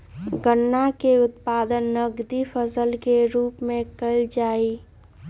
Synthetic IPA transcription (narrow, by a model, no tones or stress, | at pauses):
ɡənːakeʊt̪pad̪ənːəɡd̪ipʰəsəlkeɾupmẽkəɪld͡ʒaːi